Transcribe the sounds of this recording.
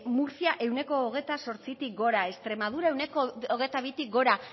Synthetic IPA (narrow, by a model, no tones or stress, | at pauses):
muɾsiaʔe̞wne̞ko̞ːɣ̞e̞t̪aso̞ɾt͡sit̪ik̚ɡo̞ɾae̞st̪ɾe̞maðuɾae̞wne̞kooɣe̞t̪aβit̪ik̚ɡo̞ɾa